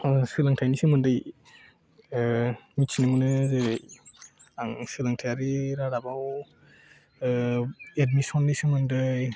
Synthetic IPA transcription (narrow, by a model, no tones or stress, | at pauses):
sɯlaŋtʰajnisɯmɯndəj | mit͡ʃʰnimunɯzɯj | aŋsɯlaŋtʰajaɾiɾaɾabaw | edmisɔnːisɯmɯndəj